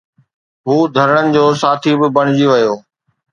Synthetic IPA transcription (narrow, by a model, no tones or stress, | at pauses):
ɦuːd̪ʱɐɾəɽ̃ənɪ̆d͡ʑoːsaːt̪ʰibɪbɐɽ̃ɪd͡ʑiʋɐjoː